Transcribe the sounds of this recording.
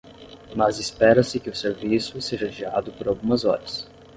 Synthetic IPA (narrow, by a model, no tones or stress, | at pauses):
mɐzɪspɛɾɐsɪkɪʊseɾvisʊseʒɐʒiɾa̰d̪ʊpoɾawɡũmɐzɔ̰ɾɐs